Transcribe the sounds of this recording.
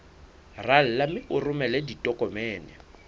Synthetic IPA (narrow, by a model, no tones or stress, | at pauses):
ral̩lamɪʔʊrʊmɛlɛditʼɔkʼɔmɛːnɛ